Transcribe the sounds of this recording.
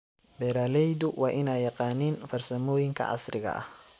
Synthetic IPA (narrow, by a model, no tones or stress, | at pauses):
bɛɾaːlɛjðʊwɑːʔɪnaːjɑqɑːnɪnfɐrsɐmɔːjɪŋkʰɐ̰ʕɑ̰srɪɣɐ̰ʔɐ̰h